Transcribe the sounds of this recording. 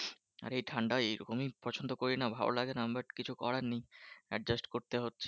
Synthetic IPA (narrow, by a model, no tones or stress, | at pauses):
a̰ɾejʈʰaɳɖaeeɾokomipɔt͡ɕʰond̪okoɾinabʱa̰bo̰laɡenamɾaɾkit͡ɕʰukɔ̰ɽanːiɛ̰ɖd͡ʑasʈkoɾt̪eɦotːɕʰe̥